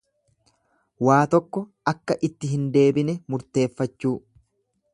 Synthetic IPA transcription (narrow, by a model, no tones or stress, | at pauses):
waːt̪ɔkːɔʔɐkːɐʔɪt̪ːɪɦɪnd̪e̞ːbɪnɛmʊɾt̪e̞ːfːɐt͡ʃːuː